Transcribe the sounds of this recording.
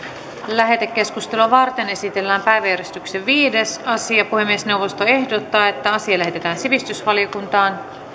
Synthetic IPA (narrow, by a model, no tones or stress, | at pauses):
læɦet̪ekːe̞skust̪eluʋɑrt̪e̞ne̞sit̪e̞lːæːmpæjʋæjæɾjest̪ykseʋʋiːde̞sɑsiɑpuhe̞mːiesne̞wʋo̞st̪oe̞hdot̪ːɑːe̞t̪ːæɑsiɑlæɦe̞t̪e̞t̪æːnsiʋist̪ysʋɑliokunt̪ɑːn